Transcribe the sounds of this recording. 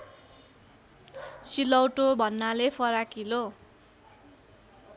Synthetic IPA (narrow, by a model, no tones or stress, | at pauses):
silʌwʈobʱʌnːalepʰʌɾakilo